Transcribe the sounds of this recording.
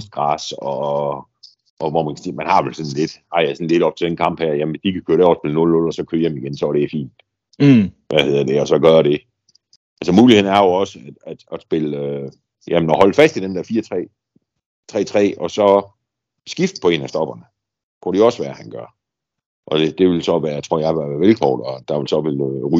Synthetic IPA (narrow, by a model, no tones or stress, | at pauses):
sd̥̚ɡ̥ʁɑ̈ːsɒ | ʔɒ̽ʋɒmænkʰæ̥simænhɑ̈ʋelsɒ̽nle̝d̥ɑ̈æsɒn̩le̝d̥ɒ̽b̥̚t͡sʰe̝d̥enkʰɑ̈m̰b̥hæɐjæmn̩esd̥ikʰækʰøːɐɾeɒsb̥e̝lnɔlnɔ̽lɒsɒ̽kʰøːɐemiɡ̥ensɒɐɾeæfḭːnd̥ | ʋʔæhe̝ð̰ˠɐd̥e̝ɒ̽sɒ̽ɡ̥ɶːɐɾ̥e̝ | ʔælsəmuːliheð̰ˠn̩æɐjo̝ɒ̽səæd̥æd̥æsb̥e̝lø | jæmnɒhɒ̽lfæsd̥id̥end̥æɐfiːɐt͡sʰʁɛ̰ː | t͡sʰʁɛ̰ːt͡sʰʁɛ̰ːɒsɒ̽ | sɡ̥ifd̥̚pʰɒ̽e̝̰ːnæsd̥ɒ̽b̥ɐnə | kʰuɾ̥eɒ̽sʋæːɐhænɡ̥ɶɐ̰ | ʔɒ̽d̥ed̥e̝ʋe̝lsɒ̽ʋæːɐt͡sʰʁo̝ɐ̰jɑ̈ɪʋɑæɐʋelkʰɒ̰ːd̥ɒd̥ɑ̈ʋe̝lsɒ̽ʋelʁy